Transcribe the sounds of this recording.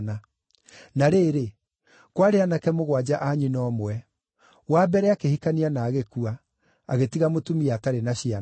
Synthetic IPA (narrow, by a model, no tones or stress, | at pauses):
na | naɾeːɾe | kwaɾeanakɛmoɣwad͡ʑaʔaɲinɔmwɛ | wabɛɾɛakehikanianaːɣekuaː | ɣetiɣamotumiataɾenaɕia